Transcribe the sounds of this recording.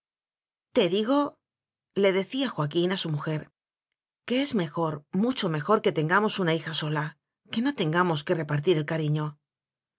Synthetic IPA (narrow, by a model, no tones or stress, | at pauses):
t̪e̞ðiɣo̞ | le̞ðe̞θiaxwakinasumuxe̞ɾ | ke̞e̞zme̞xo̞ɾmut͡ʃo̞me̞xo̞ɾke̞t̪e̞ŋɡamo̞sunaixaso̞la | ke̞no̞t̪e̞ŋɡamo̞ske̞re̞paɾt̪̬iɾe̞lkaɾiɲo̞